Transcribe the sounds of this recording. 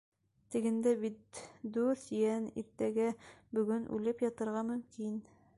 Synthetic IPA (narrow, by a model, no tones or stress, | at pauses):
t̪ɘ̆ɡɘ̆nd̪æbit̪d̪ʉɾθjænḭɾt̪æɡæbɵ̆ɡɵnʔʉ̰lɘpjɒt̪ɤ̆ɾʁɑmɵ̆mkin